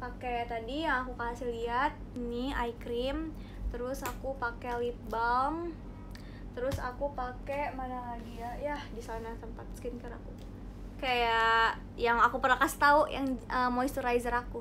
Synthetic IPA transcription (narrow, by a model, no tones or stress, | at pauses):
paket̪adijaŋakukaɦasilːiɦat̪̚niaikɾɪm | t̪əɾʊsakupakelip̚baŋ | t̪əɾʊsa̰kupakemanaɦadiajahdisanat̪əmpat̪̚skɪnkaɾa̰ku | kaja | jaŋakupərnakast̪auja̰ŋəmoist̪uɾajzəɾaku